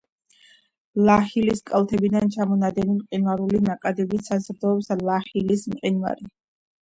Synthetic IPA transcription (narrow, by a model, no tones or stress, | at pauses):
lˠaχiliskʼalˠt̪ʰɛbid̪ant͡ʃʰamɔnad̪ɛnimqʼinvaɾulinaqʼad̪ɛbisazɾd̪ɔɛpslaχilismqʼinva̰ɾi